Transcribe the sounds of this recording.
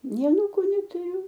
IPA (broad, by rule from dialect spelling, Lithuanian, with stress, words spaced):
ˈnʲɛɪ ɐˈnuːkʊ nʲɛtʊˈrʲʊ